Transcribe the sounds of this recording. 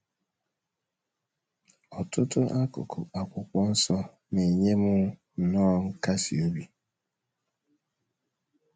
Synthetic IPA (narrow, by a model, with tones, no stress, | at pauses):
ɔ˨tʊ˦tʊ˦ʔa˦˨a˨kʷʊ˨kɔ˦n̩˦sɔ˦ | ne˨ɲe˦mʊ˦˨ | nɔː˦ŋ̩˦ka˦sḭ˨o˦bi˨